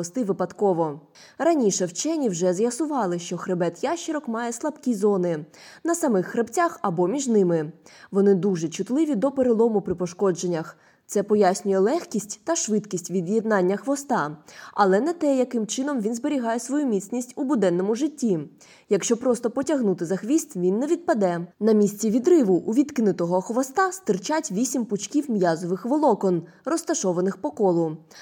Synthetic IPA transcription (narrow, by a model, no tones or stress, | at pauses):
ɔst̪ɪʋɪpɐt̪kɔʋɔ | rɐnʲiʃɛwt͡ʃɛnʲiwʒɛzjɐsʊʋɑlˠɪʃt͡ʃɔxɾebɛt̪jaʃt͡ʃɪɾɔkmɑjɛslˠɐbkʲizɔnɪnɐsɐmɪxːɾept͡sʲaxɐbɔmʲiʒnɪmɪʋɔnɪd̪uʒɛt͡ʃʊt̪lˠɪʋʲid̪ɔpeɾelˠɔmʊpɾɪpɔʃkɔd͡ʒenʲːɐx | t̪sɛpɔjasʲnʲʊjɛlˠɛxkʲisʲtʲt̪ɐʃʋɪt̪kʲisʲtʲʋʲid̪jed̪nɑnʲːɐxʋɔst̪ɑɐlˠɛnɛt̪ɛjɐkɪmt͡ʃɪn̪ɔmʋʲinzbeɾʲiɦɑjɛsʋɔjumʲisʲnʲisʲtʲubʊd̪ɛnːɔmʊʒɪtʲːi | jɐkʃt͡ʃɔpɾɔst̪ɔpɔtʲɐɦnut̪ɪzɐxʋʲist̪ʋʲinːɛʋʲid̪̚pɐd̪ɛnɐmʲisʲt͡sʲiʋʲid̪ɾɪʋʊʔːʋʲit̪kɪnʊt̪ɔɦɔxʋɔst̪ɑst̪ɪrt͡ʃatʲʋʲisʲimpʊt͡ʃkʲiwmjazɔʋɪxʋɔlˠɔkɔn | rɔst̪ɐʃɔʋɐnɪxpɔkɔlˠʊ